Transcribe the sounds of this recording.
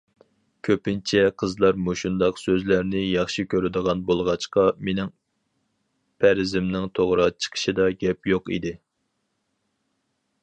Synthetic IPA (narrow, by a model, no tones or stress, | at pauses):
kʲʰøpɪnt͡ʃʰɛqʰəzlˠɑɾmoʃund̪ɑqsøzlæɾnɪjɑχʃikʲʰøɾɪd̪əʁɑnbolˠʁɑt͡ʃqɑmenɪŋ | pʰæɾɪzɪmnɪŋt̪ʰoʁɾɑt͡ʃʰə̥qʰə̥ʃid̪ɑɡʲɛpjoqḭd̪ɪ